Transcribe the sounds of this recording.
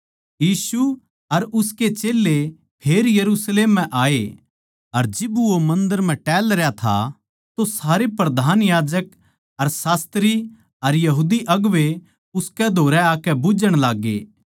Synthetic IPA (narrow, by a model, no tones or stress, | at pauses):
jiːsu | ɐɾʊsket͡ʃeːlːe | pʰeːɾjɐɾusleːmːɛ̃ʔaːe | ɐɾd͡ʒɪbuomɐ̃nd̪əɾm̤ɛ̃ʈɛːlɾɛjat̪ʰa̰ | t̪osaːɾepɾɐd̪ʱaːnjaːd͡ʒək̚ | ɐɾsaːst̪ɾi | ɐɾjɐɦuːd̪iʔɐɡʋe | ʊskɛd̪ʱoːɾɛaːkɛbʊd͡ʒəɽ̃laːɡːḛː